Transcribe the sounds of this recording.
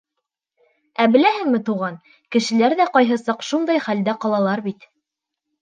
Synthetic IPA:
æbɘ̆læhɘ̆ŋmɘt̪uʁɑn | kɘ̆ʃɘ̆læɾðæqɑjɦɤsɑqʃund̪ɑjχæld̪æqɑlˠɑlˠɑɾbit̪

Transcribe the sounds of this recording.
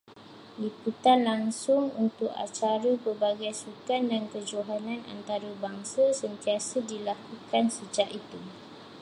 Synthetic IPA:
liput̪anlaŋsʊŋṵnt̪ʊka̰t͡ʃaɾəpərbaɡajsukandankəd͡ʒoɦanãna̰nt̪aɾəbaŋsasənt̪iasədilakukansəd͡ʒaʔit̪u

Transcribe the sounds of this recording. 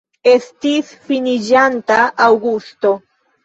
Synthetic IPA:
est̪isfinid͡ʒant̪aʔːwɡust̪o̞

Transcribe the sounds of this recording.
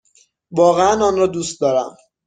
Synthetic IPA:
vɒːɣeænɒːnrɒːd̪ust̪̚d̪ɒːɾæ̰m

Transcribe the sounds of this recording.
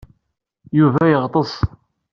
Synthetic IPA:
juvæjəʁt̪ˤəsˤ

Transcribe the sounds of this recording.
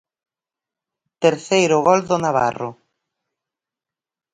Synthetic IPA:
t̪eɾθejɾʊɣɔld̪onaβa̰ro̰

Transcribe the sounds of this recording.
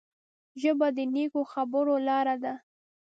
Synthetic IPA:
ʒəbad̪ənekoxabəɾolɑɾad̪a

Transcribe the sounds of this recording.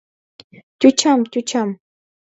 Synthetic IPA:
cʊt͡ʃamcʊt͡ʃam

